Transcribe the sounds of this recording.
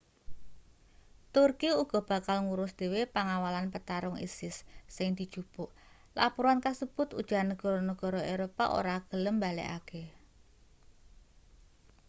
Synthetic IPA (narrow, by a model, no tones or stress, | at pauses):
t̪ʊrkiuɡ̥ɔ̤b̥a̤kalŋuɾʊsd̪̥e̤wepaŋawalanpət̪aɾʊŋḭsɪsːɪŋd̪̥i̤d̥ʒ̥ṳb̥ʊʔ | lapuɾankasəb̥ʊ̤t̪ṵd̥ʒ̥a̤nːəɡ̥ɔ̤ɾɔnəɡ̥ɔ̤ɾɔʔeɾopa̰ʔo̰ɾaɡ̥ələmbalɛ̰ʔa̰ke